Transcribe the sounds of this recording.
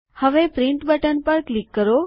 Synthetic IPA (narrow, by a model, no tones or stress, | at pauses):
həʋepɾɪ̃ɳʈbəʈənpəɾklikːəɾo